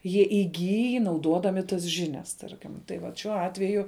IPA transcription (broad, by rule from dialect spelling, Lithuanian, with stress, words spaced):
jiɛ ɪˈɡʲiːj nɐʊˈdoːdɐmʲɪ tɐs ˈʒʲɪˌnʲɛs ˈtɐrʲkʲɪm tɐɪ ˈʋɐt ʃʲuɔ ˈɑːtʲʋʲɛjʊ